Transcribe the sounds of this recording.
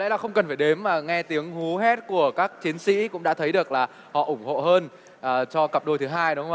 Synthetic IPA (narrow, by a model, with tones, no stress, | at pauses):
lḛ˧˥laː˨˩xə˧wŋ͡mkə˨˩nfaː˧˩ɗe˨˦mːaː˨˩ŋɛ˧t̪i˨˦əŋhu˨˦ɦɛ˦˥t̚ku˧˩əkaː˦˥k̚t͡ɕi˨˦nsḭ˧˥kʊ̰˧˥ŋ͡mɗa̰ː˧˥t̪ʰə˨˦jɗɨ˨˩ək̚laː˨˩ | hɔ̰˧˨ʔʊ˧˩ŋ͡mho̰˧˨ɦəː˧n | ʔːt͡ɕɔ˧kə˨˩p̚ɗo˧jt̪ʰɨ˨˦ɦaː˧jɗo˨˦whə˦ŋ͡mʔ